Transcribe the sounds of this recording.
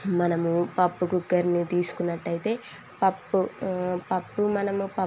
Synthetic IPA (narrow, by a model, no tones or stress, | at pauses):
mɐnɐmupɐpːuɡuɡːɐɾnit̪iːsu̥kunːɐʈːɐjit̪e̞ː | pɐpːupɐpːumɐnɐmupɐ